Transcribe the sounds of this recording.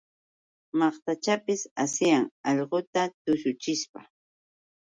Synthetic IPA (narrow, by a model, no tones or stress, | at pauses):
mɑχt̪at͡ʃapɪsasɪjaŋɑʎɢot̪at̪ʊsʊt͡ʃɪʃpa̰